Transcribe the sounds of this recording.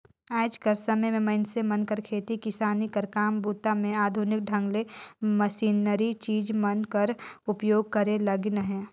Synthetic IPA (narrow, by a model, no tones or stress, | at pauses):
aːd͡ʒkəɾsəməjmẽmɐɪnsemɐnkəɾkʰeːt̪ikɪsaːnikəɾkaːmbuːt̪amẽaːd̪ʱʊnɪk̚ɖʱɐ̃ŋɡleməsiːnəɾit͡ʃiːd͡ʒmənkəɾʊpjoːɡ̚kəɾelɐɡnəɦɛ̃ː